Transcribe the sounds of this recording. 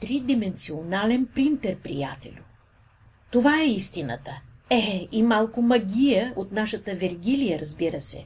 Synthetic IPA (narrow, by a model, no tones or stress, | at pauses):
t̪ɾid̪imɛnt̪sionalɛnpɾint̪ɛɾpɾḭjat̪ɛ̰lʲʊ | t̪ovaɛist̪inə̰t̪ə | ɛimalˠkʊmɐɡʲijəot̪naʃət̪əvɛɾɡʲilijəɾɐzbiɾəsɛ̰